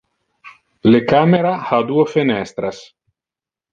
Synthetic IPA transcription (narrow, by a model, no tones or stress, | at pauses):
lekameɾahad̪uofenɛst̪ɾas